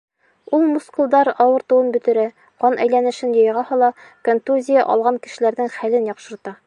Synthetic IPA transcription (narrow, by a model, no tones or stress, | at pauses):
ulˠmuskulˠd̪ɑɾɒwɤ̆ɾt̪ɤ̆wɤnbɵ̆t̪ɘ̆ɾæ | qɒnʔæjlænɘ̆ʃɘnjɤ̆jʁɑhɒlˠɑ | kont̪uzʲija̰ʔɒ̰lˠʁɑŋkɘ̆ʃɘ̆læɾnɘŋχælɘnjɒqʃɤ̆ɾt̪ɑ